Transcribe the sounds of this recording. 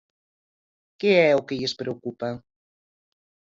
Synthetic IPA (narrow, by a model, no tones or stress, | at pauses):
keɛokeʎespɾeokupa